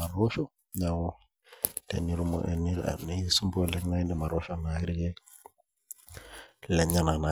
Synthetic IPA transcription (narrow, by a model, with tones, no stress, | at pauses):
a˨ɾɔ˦ʃɔ˦ | ɲa˨wɔ˦ | dɛ̰˨ni˨ɾu˦mɔ̰˨ʔɛ̰˨nḭ˦˨nɛ˦su˦mbɔ˦lɛ˦na˦i˦ndɛ˨ma˨ɾɔ˦ʃɔ˦na˨i˦ɾi˦ɡɛ˦ | lɛ˨ɲa˦na˨na˨